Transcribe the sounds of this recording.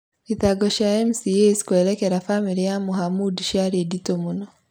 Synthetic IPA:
iðaɡɔʃaɛmsieskwɛɾɛkɛɾafamiɾijamuɦamudʃaɾeditomunɔ

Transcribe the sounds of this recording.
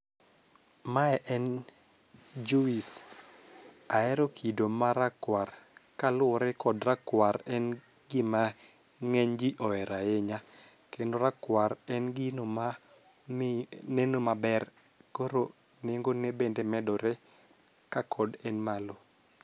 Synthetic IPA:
maɛʔɛn | d͡ʒuis | aɛɾokʰidomaɾakwarkalʊɾɛkɔdrakwaɾɛn | ɡɪma | ŋɛɲɡɪʔɔɛɾajeɲakendoɾakwaɾɛnɡɪnoma | nenomabɛr | koɾo | neŋɡonebendemɛdɔɾɛ | kakʰɔdɛnmalo

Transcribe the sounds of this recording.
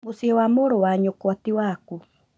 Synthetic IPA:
mosiɛwamoːɾowaɲokwatiwaku

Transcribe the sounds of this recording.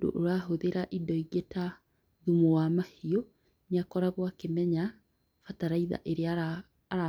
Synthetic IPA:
do̰ʔoɾaɦoðeɾaʔidɔiɣeta | ðumowamahiɔ | neakɔɾaɣwakemɛɲa | fataɾaiða̰ʔeɾeaː | ɾa

